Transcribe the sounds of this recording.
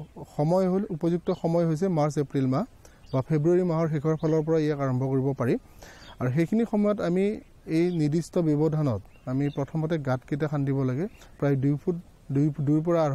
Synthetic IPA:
xɔmɔjɦolupɔzuk̚tɔxɔmɔjɦojs̬ɛmaɹsepɹilmaɦ | bapʰebɹuaɹimaɦɔɹxikʰɔɹpʰalɔɹpɔɹaijakaɹɔmbʱɔkoɹibɔpaɹi | aɹuxejkʰinixɔmɔjɔtami | ejnidistɔbjɔbɔdʱanɔt | amipɹɔtʰɔmɔtɛɡatketakʰandibɔlaɡɛpɹajdujpʰut | dujduɹp̬ɔɹaː

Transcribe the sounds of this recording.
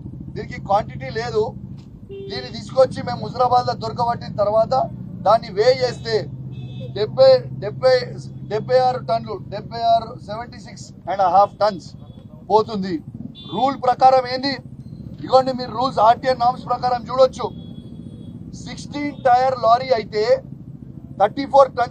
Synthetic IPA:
d̪iːnikikʋaːɳʈiʈile̞ːd̪u | d̪iːnːit̪iːsu̥kɐt͡ʃːime̞ːmud͡ʒɐɾɐbaːd̪lɐd̪ɔɾɐk̬ɐbɐʈːint̪ɐɾʋaːt̪ɐd̪aːnːiʋeːeːst̪e̞ːɖebʱːɐjɖɛbʱːɐjɖɛbʱːɐjaːɾuʈɐnluɖɛbʱːɐjaːɾuseʋeɳʈisiksɛɳɖɐɦaːp̚ʰʈɐnspo̞ːt̪und̪iɾuːlpɾɐkaːɾɐme̞ːnd̪iikɐɳɖimiːɾɾuːlsaːɾʈijɐnaːmspɾɐkaːɾɐmt͡ʃuːɽot͡ʃːu | siksʈiːnʈɐjɐɾlaːɾiɐjit̪e̞ː | t̪ʰɐɾʈiːpʰoːɾʈɐn

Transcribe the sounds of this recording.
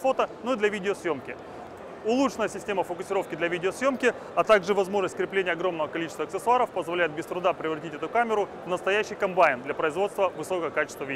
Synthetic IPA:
fo̞t̪ənoid̪lʲɐvʲidʲɪosjo̞mkʲɪ | ʊlˠut͡ʂɨnəjəsʲɪsʲtʲeməfəkʊsʲɪɾo̞fkʲɪd̪lʲɐvʲidʲɪosjo̞mkʲɪ | ɐt̪aɡʐɨvɐzmo̞ʐnəsʲtʲkɾʲɪplʲenʲɪjəɐɡɾo̞mnəvəkɐlʲit͡ɕɪ̥st̪vəɐk̪sɨsʊaɾəfpəzvɐlʲæjɪt̪bʲɪst̪ɾʊd̪apɾʲɪvɾɐtʲitʲɛt̪ʊkamʲɪɾʊvnəst̪ɐjæɕːijkɐmbaɪnd̪lʲɐpɾəɪzvo̞t̪st̪vəvɨso̞kəəkat͡ɕɪ̥st̪vəvʲi

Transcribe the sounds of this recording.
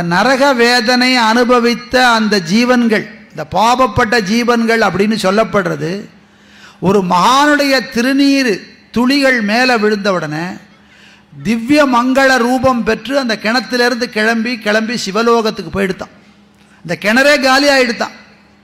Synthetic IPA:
nɐɾɐɣɐʋeːðɐnɐɪɐnɯbɐʋɪt̪ːɐːnd̪ɐd͡ʒiːʋɐnɡɐɭɪnd̪ɐpaːbɐpːɐʈ̬ːɐd͡ʒiːʋɐnɡɐɭɐp̬ːɐɽɪnːɯsɔlːɐpːɐɽɾɐðɯ | ɔɾɯmɐɣaːnɯɽɐjɐt̪ɪɾɯniːɾɯt̪ʊɻɪɣɐɭmeːlɛʋɪɻɯnd̪ɐʋɔɽɐneː | d̪ɪʋjɐmɐŋɡɐɭɐɾuːbɐmpɛʈrɯɐnd̪ɐkɛɳɐt̪ːɪlɛɾɯnd̪ɯkɛɻɐmbikɛɻɐmbisɪʋɐloːɣɐt̪ːɯkːɯpːoːjɪɽɯt̪ːã̰ː | ɪnd̪ɐkɛɳɐɾeːɡaːlɪjaːjɪɽɯt̪ːã̰ː

